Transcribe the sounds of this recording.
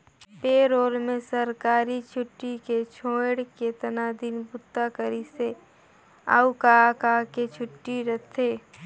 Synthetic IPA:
peːɾoːɾmẽsɐɾkaːɾit͡ʃʰʊʈːiket͡ʃʰõːɽket̪ɐnaːd̪inbʊt̪ːakəɾise | a̰ːukakaːket͡ʃʰʊʈːiɾɐt̪ʰeː

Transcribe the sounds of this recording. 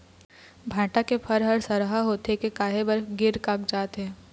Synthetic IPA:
bʱãːʈakepʰɐɾɦɐɾsɐɾɦaɦoːt̪ekekaːɦebəɾɡɪɾkakd͡ʒaːt̪ɛ̃ː

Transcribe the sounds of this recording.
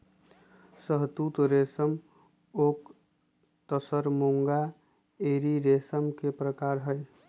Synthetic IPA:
səɦt̪ut̪ɾesəm | ok | t̪əsəɾmoŋɡa | eɾiɾesəmkepɾəkaɾɦəj

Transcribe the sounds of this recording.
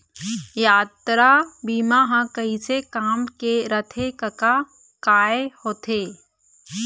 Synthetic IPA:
jaːt̪ɾabiːmaɦãkɐĩsekaːmkeɾət̪ʰekəka | kaːehoːt̪ʰeː

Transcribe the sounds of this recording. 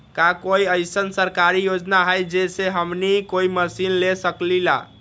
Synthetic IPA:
kakoiəjsənsəɾkaɾijod͡ʒnaɦəjd͡ʒeseɦəmnikoiməsinlesəklila̰

